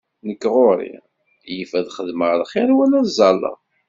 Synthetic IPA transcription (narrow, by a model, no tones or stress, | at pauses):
nəkːʁoɾḭ | jəfæðχəðməʁlχɪɾwælæzˤɑlːə̰